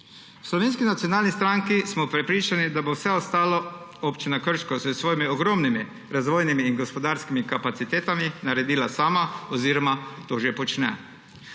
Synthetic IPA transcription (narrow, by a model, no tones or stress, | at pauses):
wslɔʋeːnskinat̪jɔnaːlnist̪ɾaŋkismɔpɾɛpɾiːt͡ʃanid̪abowsɛɔst̪aːloopt͡ʃinakəɾʃkɔsɛsʋoːjimiɔɡɾomnimi | ɾazʋoːjnimiːnɡɔspɔd̪aɾskimikapat̪sit̪eːt̪aminaɾɛd̪iːlasaːmaɔziːɾɔmat̪oːʒepɔt͡ʃnɛ̰